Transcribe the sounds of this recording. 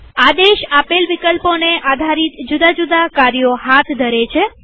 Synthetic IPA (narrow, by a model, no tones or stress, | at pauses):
ad̪eʃapelʋikəlponeʔad̪ʱaɾit̪d͡ʒud̪ad͡ʒud̪akaɾijoɦat̪ʰd̪ʱəɾet͡ʃʰe